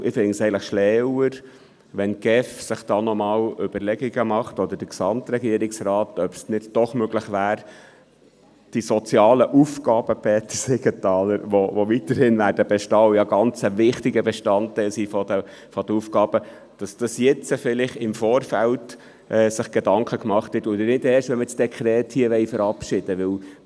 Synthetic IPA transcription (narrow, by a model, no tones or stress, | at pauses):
ʔɪfŋsɛɪələχʃlɛwəɾ | ʋɛnɡ̥ɛfsɪχd̥ɑːnɔmɑːwʏb̥əɾlɛɡiɡəmɑχtɔd̪əɾd̥əksɑmt̪ɾɛɡiːəɾɪksɾɑːtœb̥snɪdd̥ɔχmøɡləχʋæːɾ | d̥isɔt͡sijɑːləʔufkɑːb̥əpɛːt̪əsɛɡət̪ɑːləɾʋoʋoʋit̪əɾhɪnʋæːɾdəb̥ɛʃtɑːʊjɑɡɑnt͡səvɪχtɪɡəbɛʃtɑntːæɪlsiːfɔd̪ə | fɔd̥̪əufkɑːb̥ə | d̥ɑsd̥ɑsjɛt͡səfɪlɪχɪmfɔːɾfælt | ʔɛːsɪχɡ̥ed̪ɑŋkʰəkmɑχt̪hɛtʊd̪ənɪdɛːɾʃʋɛnməsd̥ɛkʰɾɛːthiːəʋɛɪfəɾɑpʃɪd̥əʋɪw